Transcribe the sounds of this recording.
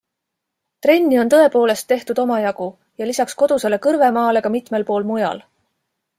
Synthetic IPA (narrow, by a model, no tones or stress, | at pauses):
t̪ɾe̞nʲːio̞nt̪ɤe̞po̞ːle̞st̪ːe̞ht̪ud̪o̞mɑjɑɡu | jɑlisɑksko̞d̪use̞le̞kɤɾve̞mɑːle̞ɡ̥ɑmit̪me̞lpo̞ːlmujɑ̰l